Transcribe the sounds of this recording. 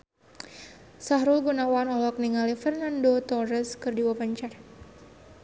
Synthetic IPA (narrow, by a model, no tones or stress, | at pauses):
saɦɾulɡunawanɔlɔk̚niŋalifɛrnandot̪ɔrəskɨrdiwapəɲt͡ʃar